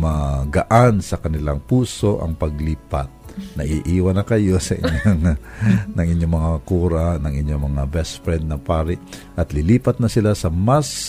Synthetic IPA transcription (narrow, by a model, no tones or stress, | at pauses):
mɐɡɐʔansɐkɐnɪlaŋpuːsoʔɐ̰ŋpɐɡliːpa̰t̪̚nɐʔiʔiːwɐnɐkɐjo̞sɐʔɪ̰ɲoŋ | nɐŋɪɲjoŋmɐŋakuːɾanɐŋɪɲjomɐŋabɛspɾɛnd̪̚nɐpaːɾɪʔ | ʔɐt̪lɪliːpɐt̪̚nɐsɪlasɐmas